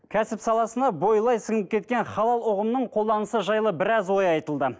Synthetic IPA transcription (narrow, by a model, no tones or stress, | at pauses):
kʲʰæsɪpsɑlˠɑsənɑbo̞jlˠɑjsɪŋəp̚kʲʰe̞t̪̚kʲe̞nχɑlˠɑlˠʊʁəmnəɴqʰolˠd̪ɑnəsəʒɑjlˠəbɪɾɑzwo̞jɑjt̪əlˠd̪ə